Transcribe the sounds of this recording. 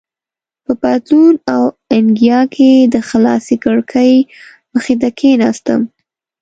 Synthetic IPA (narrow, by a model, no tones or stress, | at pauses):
pəpat̪lunaw | ɪnɡijɑkʰed̪əxalɑ̰sikəɽkʰəj | məxed̪akʰenɑst̪ə̰m